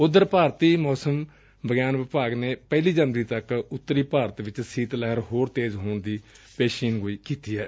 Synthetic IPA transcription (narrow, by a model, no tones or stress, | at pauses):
ʊd̪ːəɾpaːɾt̪iːmɔːsəm | bəɡjaːnʋɪpaːɡneːpɛːliːd͡ʒənɾiːt̪əkʊt̪ːəɾiːpaːɾət̪ʋɪt͡ʃsiːt̪lɛɦəɾɦoːɾt̪eːzɦoːɳd̪iːpeːʃiːnɡoːiːkiːt̪iːɛː